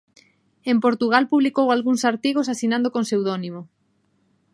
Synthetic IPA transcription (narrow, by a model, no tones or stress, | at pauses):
empoɾt̪uɣ̞alpuβlikowalɣuŋsaɾt̪iɣosasinãnd̪okoŋsewðɔnimo